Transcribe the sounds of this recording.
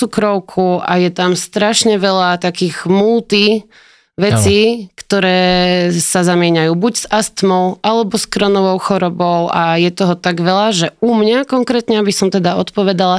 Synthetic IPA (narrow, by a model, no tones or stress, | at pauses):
t͡sukɾɔʊkʰuʔajɛt̪amst̪ɾaʃɲɛʋɛlat̪akiːɣmult̪i | ʋɛt͡sikt̪ɔɾɛːsazamɪɛɲajuːbuɟsast̪mɔʊʔalɛbɔskɾɔnɔʋɔʊxɔɾɔbɔʊʔajɛt̪ɔɦɔt̪aɡʋɛlaʒɛumɲakɔŋkɾɛːt̪ɲɛabisɔmt̪ɛd̪aɔt̪pɔʋɛd̪ala